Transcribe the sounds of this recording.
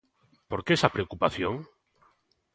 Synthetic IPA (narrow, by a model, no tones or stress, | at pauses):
poɾkeesapɾeokupaθjõŋ